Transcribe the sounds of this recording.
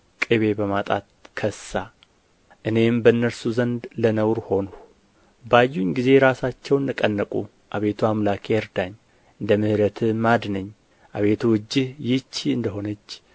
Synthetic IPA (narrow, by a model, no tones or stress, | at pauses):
kʼeβe̞bəmat̪ʼa̰t̪kʰəsa | ʔɨne̞mbəɨnːəɾsuzənd̪lənəwɾho̞nu | bajːuɲɡize̞ɾasat͡ʃːɛwnːɨkʼənːəkʼṵ | ʔaβe̞t̪ʰuamlakʰeɛɾd̪aɲː | ɨnd̪əmɨhɾət̪ʰɨmad̪nəɲː | ʔaβe̞t̪ʰuwɨd͡ʒːɪhjɪt͡ʃːiɨnd̪əɦo̞nət͡ʃː